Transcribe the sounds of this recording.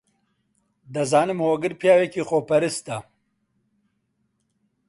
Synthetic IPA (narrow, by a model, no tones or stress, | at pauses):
d̪ɐzaːnɨmhoːɡɨɾpʰjaːwekixopɐɾist̪ɐ